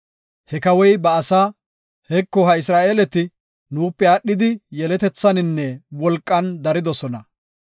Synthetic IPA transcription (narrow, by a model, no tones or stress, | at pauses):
hɛkɐwɔjbɐːsaː | hɛkːɔɦɐɪs̬ɾaːʔeːlɛt̪ɪ | nuːpːɛaːɗːɪd̪ɪjɛlɛt̪ɛt͡sːɐnɪnːɛwɔlkʼːɐnd̪ɐɾɪd̪ɔsɔnɐ